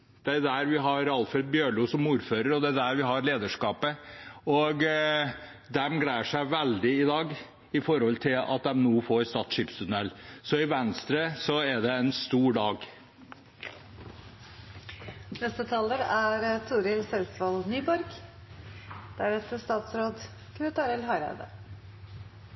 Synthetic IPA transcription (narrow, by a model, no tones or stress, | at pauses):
d̪̥ɛd̪æɾʋɪɦɑɾɑlfɾɛd̪̚bjøːɭuːsɔmuːɾføːɾəɾɔd̪ɛæd̪æɾʋɪɦɑɾleːd̪əʂkɑːpəɔɡ | d̪ɛmɡɽæɪəʂæɪʋɛld̪ɪɪd̪ɑːɡ | ɪfɔɾhɔlt̪ʰɪlɑ̰t̪̚d̪ɛmnuːfɔɾst̪ɑːt̪sʂipst̪ʰʉnɛlːsɔɪʋɛnst̪ɾəsɔɛɖ̪ɛɛnst̪uːɖɑːɡ | nɛst̪ət̪ʰɑːləɾæɾt̪ʰuːɾɪlsɛlsʋɑlnyːbɔɾɡ | d̪̥æɾɛt̪əst̪ɑːt̪sɾoːd̪ | kʰɾɛt̪ɑːɾɛlɦɑɾæ̰d̪ə̰